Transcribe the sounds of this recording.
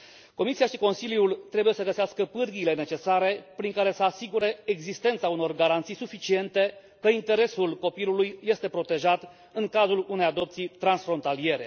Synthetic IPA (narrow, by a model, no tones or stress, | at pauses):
ko̞misiaʃiko̞nsiljult̪ɾe̞buje̞səɡəseaskəpɨrɡiːle̞ne̞t͡ʃe̞saɾe̞pɾiŋkaɾe̞səasiɡuɾe̞ːɡzist̪ent̪sauno̞rɡaɾant̪sijsufit͡ʃie̞nt̪e̞ | kəint̪e̞ɾe̞sulko̞pilulujːe̞st̪e̞pɾo̞t̪e̞ʒat̪ | ɨŋkazulune̞jad̪o̞pt̪sijt̪ɾansfɾo̞nt̪alije̞ɾe